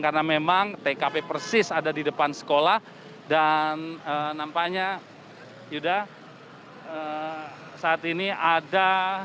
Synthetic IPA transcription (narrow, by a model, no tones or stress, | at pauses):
karnamemaŋt̪ekapepərsɪsadadidəpansə̥kolah | danənampaɲa | juda | ə | saːt̪iniada